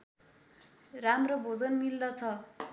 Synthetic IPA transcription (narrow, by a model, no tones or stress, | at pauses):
ramrobʱod͡zʌnmild̪ʌt͡sʰʌ